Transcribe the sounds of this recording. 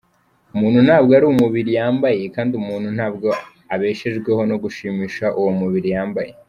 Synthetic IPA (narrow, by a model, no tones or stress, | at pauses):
umuːn̥hun̥haːbɡoaɾuːwumuβiɾijaːmbaje̞kaːndiumuːnhun̥haːbɡo̞ | aβe̞ːʃeʒɡwe̞ho̞no̞ɡuʃiːmiːʃaʔuwomuβiɾijaːmbaje̞